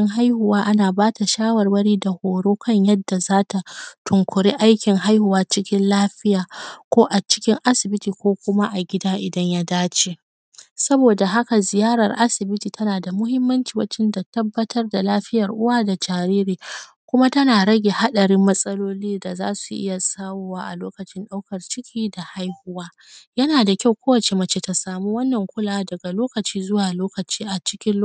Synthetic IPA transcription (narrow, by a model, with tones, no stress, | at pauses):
ɪ˦ŋɦa˦jhʊ˨waː˦ʔa˦naː˨baː˦ta˨ʃaː˦wɐ˨rwɐ˦ɽiː˦da˨hoː˨ɽoː˦kʰɐ˦ɲjɐ˦dːa˨zaː˦ta˨tʰʊ˨ŋkʷʊ˨ɽiː˦ʔa˦jkʲɪ˨ŋɦa˦jhʊ˨waː˦t͡ʃɪ˦kʲɪ˦nlaː˦ɸɪ˦jaː˨kʷoː˦ʔa˨t͡ʃɪ̥˦kʲɪ˦ŋʔa˦sɪ˨bɪ˦tiː˨kʷoː˦kʷʊ˦ma˦ʔa˨ɡʲɪ˦daː˦ʔɪ˨dɐ˦ɲja˦daː˦t͡ʃeː˨ | sɐ˦boː˨da˨ɦa˦ka˨zɪ˨jaː˦ɾɐ̰˨rʔa˦sɪ˨bɪ˦tiː˨tɐ˦naː˨da˨mʊ˦hɪ˦mːɐ˦nt͡ʃiː˨wɐ˦t͡ʃɪ˦nda˨tɐ˦bːɐ˦tʰɐ˦rda˨laː˦ɸɪ˦jɐ˨rʔʊ˦waː˦da˨d͡ʒaː˨ɾiː˦ɾiː˨ | kʷʊ˦ma˦tɐ˦naː˨ɾɐ˦ɡʲe˨ha˦ɗɐ˨ɽɪ˦mːɐ˦sʼɐ˦loː˦liː˦da˨za̰ː˦su˨ʔɪ̰˦ja˨saː˦woː˦waː˦ʔa̰˨loː˦kɐ˨t͡ʃɪ˦nɗa˦wkɐ˨rt͡ʃɪ˦kʲʰiː˦da˨ha˦jhʊ˦waː˦ | jɐ˦naː˨da˨kʲa˦˨wkʷoː˦wɐ˨t͡ʃe˨mɐ˦t͡ʃe˨ta˨saː˨muː˦wɐ˦nːɐ˨ŋkʷʊ˦laː˨dɐ˨ɡa˨loː˦kɐ˨t͡ʃiː˦zʊ˦waː˨loː˦kɐ˨t͡ʃiː˦ʔa˨t͡ʃɪ̥˦kʲɪ˦n˦